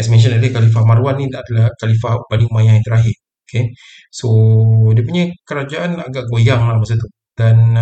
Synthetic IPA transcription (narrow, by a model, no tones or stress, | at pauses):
ɛksmɛ̃nʃ̬ənalekalifamaɾuanːĩadalahkalifahbadiŋmajãŋĩnt̪əɾaɦɪr | okʰe | sodiəpuɲakəɾad͡ʒaʔanaɡaʔɡojaŋlahmasut̪u | dan